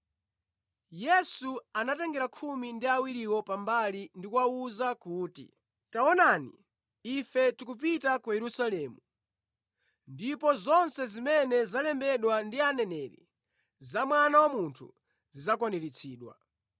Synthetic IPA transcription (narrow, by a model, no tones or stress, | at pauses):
jɛsuanatɛŋɡɛɾakʰumindiawiɾiwɔpambalindikwauzakuːtḭ | taɔnanḭ | ifɛtikup̬itakujɛɾusalɛːmu | ndipɔzɔnsɛzimɛnɛzalɛmbɛɗwandianɛnɛɾḭ | zamwanawamuntʰṵ | zizakwanɛɾit͡sʰiːɗwa̰